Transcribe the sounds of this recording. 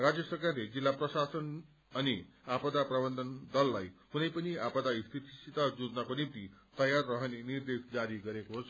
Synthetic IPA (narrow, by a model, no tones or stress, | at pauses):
ɾad͡zjəsəkaɾɾed͡zilːapɾəsasən | aniapəd̪apɾəbənd̪ʱənd̪əlːajkunajpəniapəd̪aist̪ʰit̪i̥sit̪ad͡zuɾnakonimt̪it̪əjaɾːəɦneniɾd̪esd͡zaɾiɡəɾekɦos